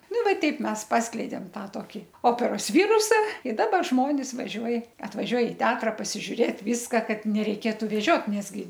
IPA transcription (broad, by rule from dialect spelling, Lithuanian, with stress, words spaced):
ˈnʊˈʋɐ ˈtʲɛɪp ˈmʲɛs ˈpɑːsklʲɛɪdʲeːm ˈtɑː ˈtoːkʲɪ ˈoːpʲɛroːs ˈʋʲiːrʊsɐ ɪ ˈdɑːbɐ ˈʒmoːnʲɪs ʋɐˈʒʲuɔj ɐtʋɐˈʒʲuɔj ɪ ˈtʲɛɐtrɐ pɐsʲɪʒʲʊˈrʲeːt ˈʋʲiːskɐ ˈkɐt nʲɛrʲɛɪˈkʲeːtʊ ʋʲɛˈʒʲoːt ˈnʲɛs ˈɡʲɪ